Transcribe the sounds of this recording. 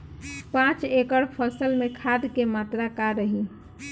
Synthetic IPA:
pãt͡ʃekəɽpʰəsəlmẽkʰad̪kemat̪ɾakaɾəɦi

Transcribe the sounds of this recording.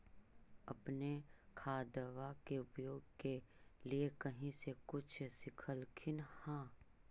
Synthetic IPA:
ɐpnekʰaːd̪əʋakeʊpjoːɡkeliekɐɦĩsekʊt͡ʃʰsɪkʰəlkʰɪnhãː

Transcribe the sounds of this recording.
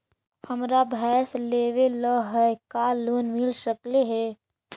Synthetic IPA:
həmɾabʱɛːsleːʋeləɦɛkaːloːnmɪlʃəkleɦɛː

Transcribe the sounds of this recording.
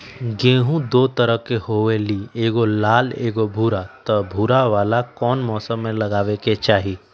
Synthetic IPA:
ɡẽːɦũd̪oːt̪ɐɾəkehoːʋelieːɡolaːleːɡobʱuːɾat̪ɔbʱuːɾaʋaːlakɔːnmɔːsəmːẽlɐɡaːʋeket͡ʃaːɦiː

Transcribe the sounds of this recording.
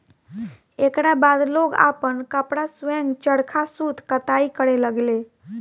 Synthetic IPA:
ekɾabad̪loɡa̰pənkəpɽasʋɛ̃ŋɡt͡ʃəɽkʰasut̪kət̪aikəɽeləɡle

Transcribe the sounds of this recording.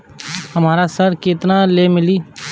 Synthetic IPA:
həmaːɾasəɾkɪt̪nalemɪliː

